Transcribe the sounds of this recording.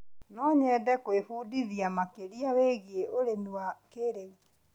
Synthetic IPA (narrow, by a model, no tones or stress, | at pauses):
nɔɲɛdɛkwefuːdiðiamakeɾiaweɣeoɾemiwakeɾeɣi